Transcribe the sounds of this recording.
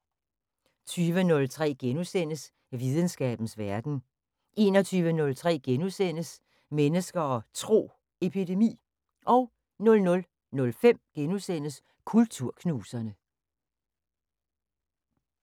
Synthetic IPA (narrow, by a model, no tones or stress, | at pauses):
t͡sʰyːʋənɔ̽lt͡sʰʁɛ̰ːɡ̥enusen̰əs | ʋið̞ˠən̩sɡ̥ɛ̰ːb̥n̩sʋæɐɡ̥n̩ | ʔe̝ːnɒt͡sʰyːʋənɔ̽lt͡sʰʁɛ̰ːɡ̥enusen̰əs | menəsɡ̥ɐɒ̽t͡sʰʁo̝̰ː | e̝pʰide̝mḭː | ʔɒ̽ʊ | nɔ̽lnɔ̽l | nɔ̽lfem̰ɡ̥enusen̰əs | kʰult͡sʰuɐ̰kʰnuːsɐnə